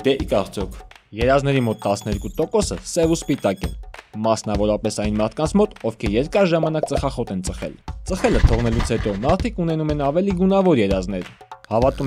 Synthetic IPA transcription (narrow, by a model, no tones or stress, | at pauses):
d̪ɛikɑɾt͡sʰjɔkʰjɛɾɑznɛɾimɔt̪ːɑsnɛɾkut̪ɔkɔsə̰sɛvuspit̪ɑkɛ̰mɑsnɑvɔɾɑpɛsɑjnmɑɾt̪ʰkɑnt͡sʰmɔt̪ɔvkʰɛjɛɾkɑɾʒɑmɑnɑk̚t͡səχɑχɔt̪ɛnt͡səχɛ̰lt͡səχɛlət̪ʰɔʁn̪ɛlut͡sʰhɛt̪ɔmɑɾt̪ʰikunɛnumɛnɑvɛliɡunɑvɔɾjɛɾɑznɛɾhɑvɑt̪um